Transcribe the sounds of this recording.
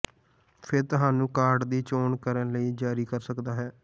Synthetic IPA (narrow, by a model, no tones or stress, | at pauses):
pʰɪɾt̪ʊɦaːnũːkaːɾɖd̪iːt͡ʃoːnkəɾənləiːd͡ʒaːɾiːkəɾsəkd̪aːɦɛː